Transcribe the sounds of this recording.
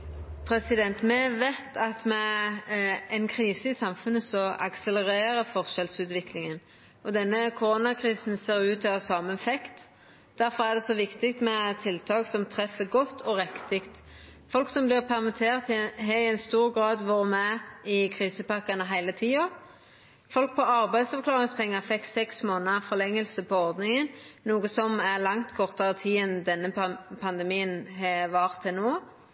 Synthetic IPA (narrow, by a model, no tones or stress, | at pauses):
pʰɾɛsɪd̪ɛnt̪mɛʋæɪt̪ɑt̪mɛ | ɛɪnkʰɾiːsəɪsɑmfʉnːəsɔɑ̰ksɛləɾeːɾəfɔʁʃɛlsʉːt̪ʋɪklɪŋən | ɔd̪ɛnːəkʰʊɾoːnɑkʰɾiːsnseːɾʉːt̪ɑʋɑsɑːməfɛkt̪ | d̪̥æɾfɔɾæʁd̪ɛsɔʋɪkt̪ɪk̚t̪mɛt̪ʰɪlt̪ʰɑːksɔmt̪ʰʁɛfːəɡɔt̪ʰːɔʁɛkt̪ɪkt̪ | fɔlksɔmblɪʁpʰæʁmɪt̪ʰeːʁt̪ɦɛæɪnst̪uːʁɡʁɑːd̪ʋoːʁəmɛɪkʰʁiːsəpɑkːɑnəɦæɪlət̪ʰiːo | fɔlk̚pʰɔɑʁbæɪd̪sɑklɑːʁɪŋspʰɛŋːɑfɛkːsɛksmoːnəfɔlɛŋːəlsəpʰɔɔʁd̪nɪŋənnuːɡəsɔmæʁlɑŋt̪kʰɔʁt̪ɑʁət̪ʰiːənd̪ɛnːəpʰɑnd̪ɛmiːənɦɛʋɑːʁt̪ʰːɪnoː